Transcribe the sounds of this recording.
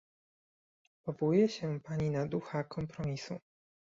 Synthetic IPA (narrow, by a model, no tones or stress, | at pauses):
pɔvɔwujɛɕɛpaɲinad̪uxakʰɔmpɾɔmʲisṵ